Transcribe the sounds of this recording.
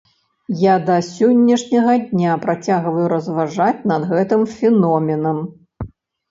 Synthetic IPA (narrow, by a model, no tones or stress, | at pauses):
jad̪ɐsʲɔnʲːɐʂnʲɐɣɐd̪ʲnʲapɾat͡sʲaɣvɐjuɾɐzvaʐat͡sʲnɐd̪ɣɛt̪ɨmfʲɛnɔmʲɛnɐm